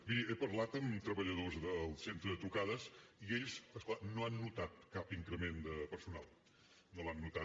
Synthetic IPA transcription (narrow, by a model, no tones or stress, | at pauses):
biepəɾlat̪əmt̪ɾəβəʎəðozðəlˠsent̪ɾəðət̪ɾukaðəsieʎzəsklanoanːut̪at̪̚kapiŋkɾəmend̪əpəɾsuna̰lˠ | nolanːut̪a